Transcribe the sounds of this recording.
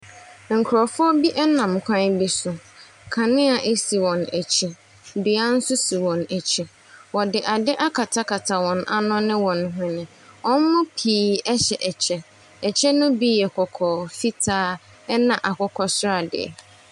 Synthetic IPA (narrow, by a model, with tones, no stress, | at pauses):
ŋ̩˨kʰʊ˨ɾɔ˨fʊ˦ɔ˦bi˦ʔɛ˦nã˨m˨kʷʰã˦n˦bi˦sʊ˨ | kʰã˨nɪ̃˦a˨ʔe˦si˨wɔ̃˨næ˨t͡ɕʰi˨ | bi˨a˦n̩˦sʊ˦si˨wɔ̃˨næ˨t͡ɕʰi˨ | wɔ˨dɪ˨ʔa˨dɪ˦ʔa˦kʰa˨tʰa˦kʰa˨tʰa˨wɔ̃˨nʔa˦nʊ̃˦nɪ̃˦wɔ̃˨n˦ɦʊ̃˦nɪ̃˨ | ɔ̃˦n˦mʊ̃˦pʰiː˨ɛ˦ɕɛ˨ʔɛ˨t͡ɕʰɛ˦ | ɛ˨t͡ɕʰɛ˦nʊ̃˦bi˦jɛ˨kʰɔ˨kʰɔː˨fi˦tʰaː˦ | ɛ˦nã˨ʔa˨kɔ˦kʰɔ˦sʊ˦ɾa˨dɪ̰˨ɛ̰˨